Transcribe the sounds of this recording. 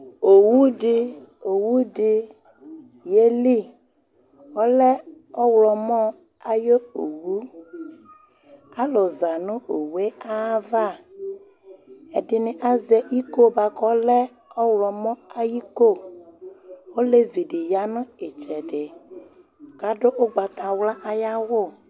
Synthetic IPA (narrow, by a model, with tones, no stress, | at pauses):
o˨wu˦dɪ˨o˨wu˦dɪ˨ | je˦li˦ | wɔ˦lɛ˦ | ɔ˦wlɔ˨mɔ˦ | a˦jo˦o˨wu˦ | a˦lɔ˨za˨nʊ̃˦o˨we˦a˦va˦˨ | ɛ˨dɪ˨nɪ˨ʔa˦zɛ˨i˦ko˦ba˨kɔ˦lɛ˦ | ɔ˦wlɔ˨mɔ̃˦a˦ji˦ko˦˨ | wo˦le˦vi˨dɪ˨ja˦nʊ̃˦ɪ˨t͡ʃɛ˨ɖɪ˨ | ka˨ɖʊ˦ʔo˦ɡ͡ba˨t̪a˨wla˦ʔa˦ja˦wʊ˦˨